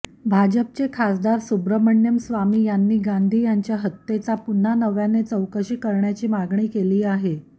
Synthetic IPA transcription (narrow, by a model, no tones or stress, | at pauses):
bʱad͡ʑəp̚t͡sekʰasd̪aɾsubɾəməɳjəmsʋamiːjanːiːɡand̪ʱiːjaɲt͡ɕjaɦət̪ːet͡sapun̤ːanəʋjanet͡səwkəɕiːkəɾɳjat͡ɕiːmaɡɳiːkeliːaɦe